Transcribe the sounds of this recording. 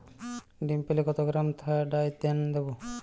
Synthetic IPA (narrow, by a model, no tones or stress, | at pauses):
ɖimpelekɔt̪oɡɾamt̪ʰaɖajt̪end̪ebo